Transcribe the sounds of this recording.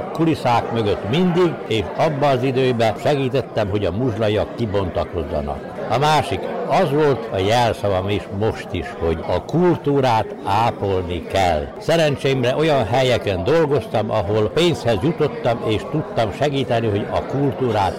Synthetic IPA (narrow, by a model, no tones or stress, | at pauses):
kulisaːkmøɡøt̪mind̪iɡeːʃɒbːɒːzid̪øːbɛʃɛɡiːt̪ɛt̪ːɛmɦo̞ɟɒmuʒlɒjɒkːibo̞nt̪ɒko̞zːɒ̰nɒ̰k | ɒmaːʃikɒzʋo̞lt̪ɒjɛlsɒvɒmeːʃmo̞ʃt̪iʃhoɟɒkult̪uːɾaːt̪aːpolnikɛlsɛɾɛnt͡ʃeːimrɛʔo̞jɒnɦɛjɛkɛnd̪o̞lɡo̞st̪ɒmɒɦo̞lpeːnshɛzjut̪o̞t̪ːɒmeːʃt̪ut̪ːɒmʃɛɡiːt̪ɛniɦo̞ɟɒ̰kult̪uːɾaːt̪